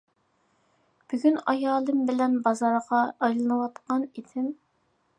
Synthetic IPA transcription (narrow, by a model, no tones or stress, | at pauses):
b̥yɡʲynɑjɑːlˠɨmbɪlɛnbɑzɑɾʁɑːjlˠɨnɨwɑt̪qɑnid̪ʰɪm